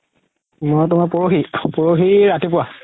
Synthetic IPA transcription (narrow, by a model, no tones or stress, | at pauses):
mɔjtʊmapoɹoxipoɹoxiɹatipʊwa